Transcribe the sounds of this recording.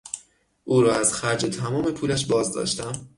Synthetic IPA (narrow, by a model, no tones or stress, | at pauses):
ʔuːɾɒːæz̥xæɾd͡ʒet̪ʰæmɒːme̞pʰuːlæʃ̬bɒːzd̪ɒ̰ːʃt̪æm